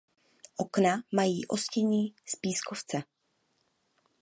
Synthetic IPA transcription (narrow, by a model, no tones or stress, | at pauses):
ʔoknamajiːʔo̞scɛɲiːspiːskoft͡sɛ